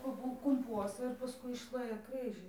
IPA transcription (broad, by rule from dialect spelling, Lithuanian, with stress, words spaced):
kʊr ˈbuɔ kʊmˈpuɔsɐ ɪr pɐˈskʊɪ ɪʃʲˈlʲeːjɛ ˈkrɨʒɨ